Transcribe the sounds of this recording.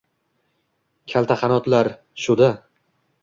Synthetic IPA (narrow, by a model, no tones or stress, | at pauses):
kʲʰalˠt̪ʰaχɑnɒt̪laɾ | ʃʊd̪a